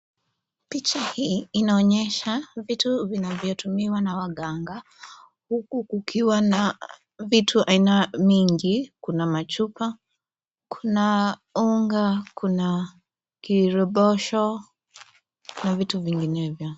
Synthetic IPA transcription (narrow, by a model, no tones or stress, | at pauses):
pit͡ʃahiːnaɔɲɛʃavituvinavjɔtumiwanawaɡaŋɡa | hukukukʰiwana | vitʰuʔainamiŋɡikunamat͡ʃupa | kʰunauŋɡakʰuna | kiɾɔɓɔʃɔ | navituviŋɡinɛvjɔ